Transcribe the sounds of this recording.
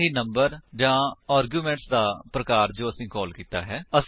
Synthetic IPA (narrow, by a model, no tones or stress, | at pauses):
ɦiːnə̃mbəɾd͡ʒãːaːɾɡjuːmɛ̃ːɳʈsd̪aːpɾəkaːɾd͡ʒõːəsĩːkɔːlkiːt̪a̰ːɦɛːəs